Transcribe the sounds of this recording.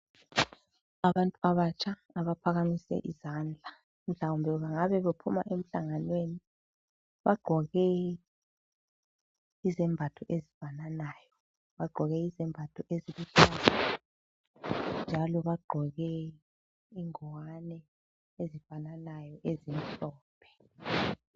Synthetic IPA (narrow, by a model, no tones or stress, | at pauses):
aβantʼuaβat͡ʃʼʰaːβapʰaɣamisɛ̰ʔizand͡ɮʱa | m̩ɬaumbʱɛuβaŋaβɛβepʰuma̰ʔem̩ɬaŋanweni | βaɡ͡ǃʱɔɣɛ | izɛmbʱatʰɔʔezifananaːjɔ | βaɡ͡ǃʱɔɣɛizɛmbʱatʰuʔeziluɬaːla | nd͡ʒʱalɔβaɡ͡ǃʱɔɣɛ | iŋɔwanɛ | ezifananajɔʔezim̩ɬɔːpʰɛ̥